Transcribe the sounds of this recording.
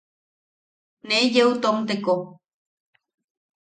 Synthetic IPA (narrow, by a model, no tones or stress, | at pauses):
nejeut̪omt̪eko